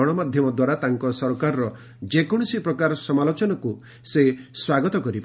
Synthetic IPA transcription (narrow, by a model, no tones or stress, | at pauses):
ɔɽ̃ɔmad̪ʱjɔmɔd̪waɾat̪aŋkɔsɔɾkaɾɔɾɔ | d͡ʒekɔɽ̃ɔsipɾɔkaɾɔsɔmalot͡ʃɔnɔku | seswaɡɔt̪ɔkɔɾipa